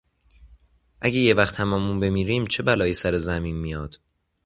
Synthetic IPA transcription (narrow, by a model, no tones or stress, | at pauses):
ʔæɟejevæxt̪ʰhæmɒːmunbe̞miːɾiːmt͡ʃʰe̞bælɒːjesæɾezæmiːnmijɒːd̪̥